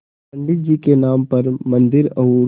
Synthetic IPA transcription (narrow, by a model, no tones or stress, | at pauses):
pɐ̃ɳɖɪʈ̚d͡ʒiːkenaːmpɐɾmɐ̃nd̪ɪɾɐuː